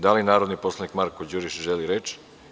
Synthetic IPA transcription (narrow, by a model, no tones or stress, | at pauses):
d̪alinaːɾod̪nipo̞slˠanikmaɾkod͡ʑuɾiʃʒeliɾet͡ʃ